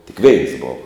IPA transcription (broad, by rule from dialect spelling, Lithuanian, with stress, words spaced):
tʲɪk ʋʲɛɪns ˈboːʋɐ